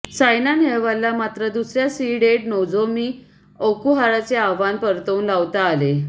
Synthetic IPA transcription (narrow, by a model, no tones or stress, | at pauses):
sajnaneɭʋalːamat̪ɾəd̪usɾjasiːɖeʈ̚nod͡zomiː | okuɦaɾat͡seaʋanpəɾt̪əuːnlaʋt̪aːle